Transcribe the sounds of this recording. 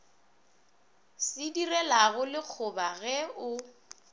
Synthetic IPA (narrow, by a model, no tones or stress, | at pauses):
sɪdirɛlaɣʊlɪk͡xʰʊbaɣɛʊ